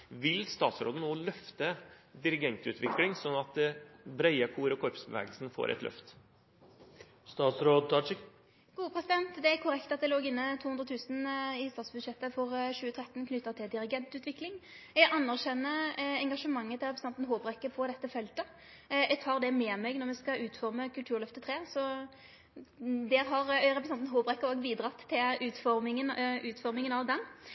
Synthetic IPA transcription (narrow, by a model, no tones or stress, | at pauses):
ʋɪlst̪ɑːt̪sɾo̰ːd̪ənoːlœft̪əd̪ɪɾɪɡɛnt̪ʉ̰ːt̪ʰʋɪklɪŋsɔnːɑt̪̚d̪ɛbɾæɪəkʰuːɾɔkʰɔɾpsbəʋɛ̰ːɡəlsnfo̰ːɾʔɛ̰t̪lœ̰ft̪ | st̪ɑːt̪sɾoːd̪ɑ | ɡ̥uːəpʰʁɛsɪd̪ɛnt̪d̪ɛæɾkʰʊɾɛkt̪ɑt̪̚d̪ɛloːɡɪnːət̪ʰuːʉnd̪ʁət̪ʰʉːsnɪst̪ɑːt̪sbʉd̪ʃjɛt̪ːəfɔʁɕʉːət̪ʰʁɛt̪n̩kʰnʏt̪ːɑt̪ʰɪld̪ɪɾɪɡɛnt̪ʉːt̪ʋɪklɪŋ | ɛɡʔɑnːæʁɕɛnːəɛŋɡɑʂəmɑŋːət̪ʰɪlʁɛpɾsɑnt̪n̩ɦoːbɾɛkːəpʰɔd̪ɛt̪ːəfɛlt̪ə | ɛɡt̪ʰɑːɾd̪ɛmɛːmɛɡnɔɾmɛskɑʉːt̪fɔɾməkʉlt̪ʉːɾɭœft̪ət̪ʰʁeːsɔ | d̪ɛːɦɑʁɾɛpɾɛsɑnnɦoːpɾɛkːəɾoːɡbiːd̪ɾɑt̪ʰːɪlʉːt̪fɔɾmɪŋənʔʉːt̪fɔɾmɪŋənɑʋd̪ɛn